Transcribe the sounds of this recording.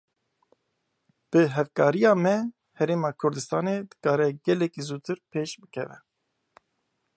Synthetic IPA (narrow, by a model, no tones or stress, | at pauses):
b̥ɨɦɛvkɑːɾijɑːmɛ | hɛɾeːmɑːkʰʊɾd̪ɨst̪ɑːned̪ɨ̥kɑːɾɛɡɛlɛkizuːt̪ʰɨɾpʰeːʃbɨkʰɛvɛ̰